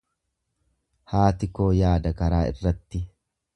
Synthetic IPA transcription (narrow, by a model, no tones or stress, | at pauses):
haːt̪ɪko̞ːjaːd̪ɐkɐɾaːɪ̰rːɐt̪ːɪ